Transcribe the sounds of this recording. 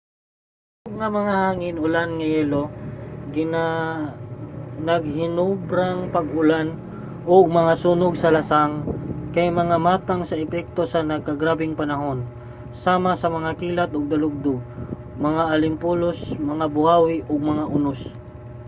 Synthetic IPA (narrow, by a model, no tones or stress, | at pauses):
oɡ̚ŋɐmɐŋahaːŋɪnʊlanŋɐjɛloɡɪna | nɐɡ̚hɪnubɾaŋpɐɡʊlan | ʔoɡ̚mɐŋasuːnoɡsɐlɐsaŋkɐjmɐŋamaːt̪aŋsɐɛpɛk̚t̪o̞sɐnɐɡ̚kɐɡɾaːbɪŋpɐnɐɦo̞n | saːmasɐmɐŋakiːlɐt̪ʔoɡ̚d̪ɐlʊɡ̚d̪ʊɡ | mɐŋaʔɐlɪmpulosmɐŋabʊhaːwɪʔoɡ̚mɐŋaʔʊnʊs